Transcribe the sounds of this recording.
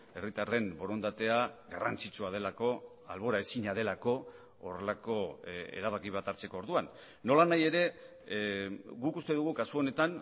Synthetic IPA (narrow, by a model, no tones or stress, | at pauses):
e̞rit̪are̞mbo̞ɾo̞nd̪at̪e̞aɣarant͡sit͡ʃuað̞e̞lako̞ | a̰lβo̞ɾae̞siɲað̞e̞lako̞ | ore̞lako̞ḛɾaβ̞akiβ̞at̪aɾt͡se̞ko̞ːɾðuanː | o̞lanaje̞ɾe̞ | ɡukust̪e̞ðuɣ̞ukasuo̞ne̞t̪an